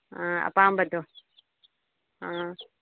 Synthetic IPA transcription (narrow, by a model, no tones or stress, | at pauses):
ɦãɐ̰pãːmbɐd̪ʱoː | ɦãː